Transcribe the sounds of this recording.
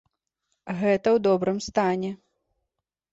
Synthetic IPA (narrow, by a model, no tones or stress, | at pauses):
ɣɛt̪ɐwd̪ɔbɾɨmst̪anʲɛ